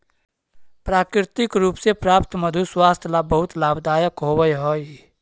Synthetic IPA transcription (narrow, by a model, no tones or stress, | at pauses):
pɾaːkɾɪt̪ɪkɾuːpsepɾaːpt̪məd̪ʱuswaːst̪ʰjlabəɦʊt̪laːbd̪aːjəkɦowəjɦoːi